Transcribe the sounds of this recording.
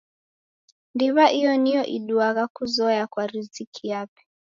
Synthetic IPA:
ndiβaʔijɔnijɔʔiɗuaɣakuzɔjakwaɾizikʰijapɛ̥

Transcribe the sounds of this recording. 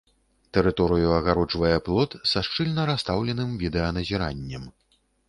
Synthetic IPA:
t̪ɛɾɨt̪ɔɾɨjuɐɣaɾɔt͡ʂvɐjɛplˠɔt̪saʂt͡ʂɨlʲnɐɾast̪awlʲɛnɨmvʲid̪ɛɐnɐzʲiɾanʲːɐm

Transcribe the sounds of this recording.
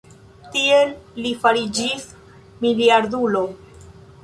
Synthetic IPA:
tielːifaɾid͡ʒis | miliaɾdulo̞

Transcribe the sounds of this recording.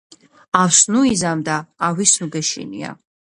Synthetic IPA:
awsnuizamd̪aːwisnuɡɛʃḭnḭa̰

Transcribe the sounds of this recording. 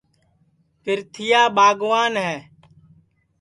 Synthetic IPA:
pɪɾt̪ʰɪjaːbaːɡʋaːnɦɛː

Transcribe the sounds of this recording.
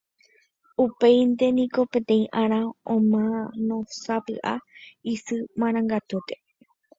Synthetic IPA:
upe̞jnd̪e̞nĩko̞pẽ̞t̪ẽ̞ĩʔãɾ̃ãõmãnõ̞sapɨ̰ʔaisɨmãɾ̃ãŋɡat̪ut̪e̞̥

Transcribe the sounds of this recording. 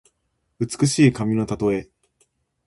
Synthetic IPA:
ɯ̟t͡sɨ̥kɯ̟ɕiːkamʲino̞t̪at̪o̞e̞

